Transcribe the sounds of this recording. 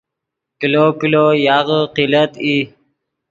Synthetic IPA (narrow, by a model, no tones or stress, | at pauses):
kilokilojaʁəqilət̪i